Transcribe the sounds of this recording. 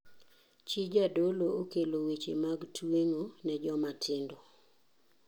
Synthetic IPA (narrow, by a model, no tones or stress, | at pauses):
t͡ʃid͡ʒadolookelowet͡ʃemaɡtweŋonɛd͡ʒɔmatʰɪndɔ